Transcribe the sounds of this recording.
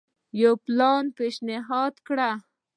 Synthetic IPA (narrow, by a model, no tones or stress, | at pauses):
jawplɑnpeʃnɪɦɑd̪kɽa